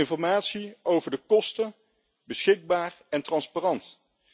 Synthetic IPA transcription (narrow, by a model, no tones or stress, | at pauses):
ɪnfɔɹmaːtsiowvəɹdəkɔstən | bəsχɪɡ̚baːrɛntrɑnsparɑnt